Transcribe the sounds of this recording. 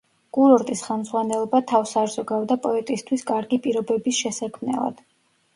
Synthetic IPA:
kʼuɾɔɾt̪ʼisχɛlˠmdzʁwanɛlˠɔbat̪ʰafsaɾzɔɡavd̪apʼɔɛt̪ʼist̪ʰwiskʼaɾɡipʼiɾɔbɛbisʃɛsakʰmnɛ̰lˠa̰d̪̥

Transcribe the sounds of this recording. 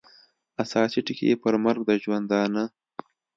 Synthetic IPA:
asɑːsiʈɪkʰḛpəɾmaɾɡ̚d̪əʒwand̪ɑːnə

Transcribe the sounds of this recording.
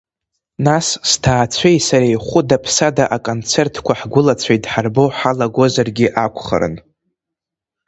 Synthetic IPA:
nasstʰaːt͡sʷʰejsaɾejχʷʊdapʰsadaʔakʼo̞nt͡sʰertʰkʷʰaħɡʷʊlat͡sʷʰajdħarbo̞ħalaɡʷo̞zarɡʲɪʔakʷʰχa̰ɾɨ̰n

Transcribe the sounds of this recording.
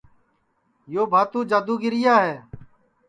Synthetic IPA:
joːbʱaːt̪ũːd͡ʒaːd̪uːɡɪɾɪjaːɦɛː

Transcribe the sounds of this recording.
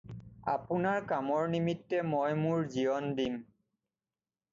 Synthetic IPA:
apʊnaɹkamɔɹnimitːɛmɔjmʊɹzijɔndim

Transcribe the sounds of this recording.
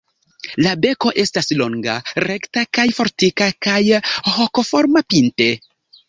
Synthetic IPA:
labe̞ko̞ʔe̞staslo̞ŋɡaɾe̞ktakajfo̞ɾtikakajho̞ko̞fo̞ɾmapinte̞

